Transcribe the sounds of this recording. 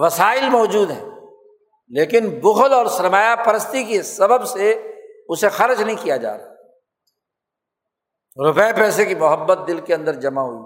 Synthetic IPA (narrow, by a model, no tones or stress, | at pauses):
ʋɐsaːɪlmɔːd͡ʒuːd̪ɦɛ̰̃ː | leːkɪnbʊxəlɔːɾsɐɾmaːjapɐɾəst̪ikesɐbəbseʊsexɐɾd͡ʒnɐɦĩkijad͡ʒa̰ːɾa | ɾʊpɛepɛːsekimʊɦəbːət̪̚d̪ɪlkeɐ̃nd̪əɾd͡ʒɐmaɦo̰ḭɡ